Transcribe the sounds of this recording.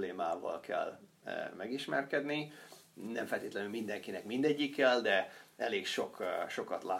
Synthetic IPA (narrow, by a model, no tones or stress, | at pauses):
leːmaːvɒ̰lkʰɛ̰lːmɛɡiʃmɛ̰rkɛd̪ninɛmfɛlt̪eːt̪lɛnylmind̪ɛŋkinɛkmind̪ɛɟːikːɛld̪ɛɛleːkʃo̞kʃo̞kɒt̪laː